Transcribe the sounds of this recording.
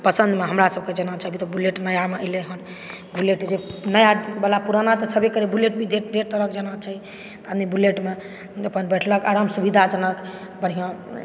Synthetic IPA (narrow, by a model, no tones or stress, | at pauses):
pəsənd̪meɦəmɾasəb̚ked͡ʒənat͡ʃʰaɦəbʱit̪ɔbuleʈnəjameəleɦən | buleʈd͡ʒenəjabəlapuɾanat̪ɔt͡ʃʰəbekəɾebuleʈ̚bʱiɖ̪ʱed̪eɾt̪əɾəkd͡ʒənat͡ʃʰaɦi | t̪anibuleʈme | əpənbɛʈʰləkaɾamsubid̪ʱad͡ʒənək | bəɽ̤ijã